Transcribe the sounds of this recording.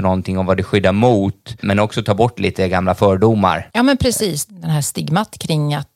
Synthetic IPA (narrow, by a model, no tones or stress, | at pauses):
ɳɔnt̪ʰɪŋːɔmvad̪ɛɧʏd̪ːaɾmuːt̪mɛnɔksɔt̪ʰɑːbɔʈːlʔḭːt̪əɡamlafœːɖuma̰ɾjɑːmɛnpʰɾɛsiːsd̪ɛnɦæːʂt̪ɪɡmat̪kʰɾɪŋːat̪